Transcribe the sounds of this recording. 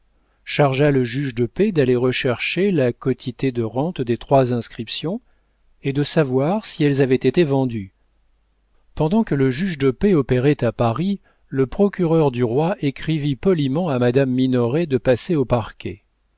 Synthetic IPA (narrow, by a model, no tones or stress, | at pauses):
ʃaʁʒaləʒyʒd̪əped̪aleʁəʃɛʁʃelakɔt̪ʰit̪ed̪əʁɑ̃t̪d̪et̪χwazɛ̃skχipsjɔ̃ | ed̪əsavwaʁsiɛlzavɛt̪et̪evɑ̃d̪y | pɑ̃d̪ɑ̃kələʒyʒd̪əpeɔpeʁɛt̪apaʁi | ləpχɔkʲyʁœʁd̪yʁwaʔekχivipɔlimɑ̃amad̪amːinɔʁed̪əpaseopaʁkʲɛ̰